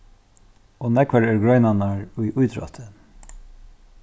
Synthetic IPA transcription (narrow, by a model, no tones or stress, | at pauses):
ɔnɛkvaɾɛɹɡɹɔjnanaɹʊjʔʊjt̪ɾɔ̰t̪ʰɪ